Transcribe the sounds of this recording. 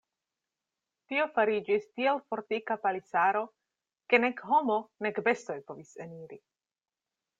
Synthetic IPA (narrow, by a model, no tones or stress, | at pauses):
tio̞faɾid͡ʒistielfo̞ɾtikapalisaɾo̞ | ke̞ne̞kɦo̞mo̞ne̞kbe̞sto̞jpo̞viseniɾi